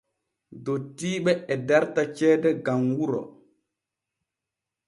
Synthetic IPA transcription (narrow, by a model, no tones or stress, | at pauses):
dotiːɓɛɛdaɾtat͡ʃɛːdɛɡamwuɾɔ̰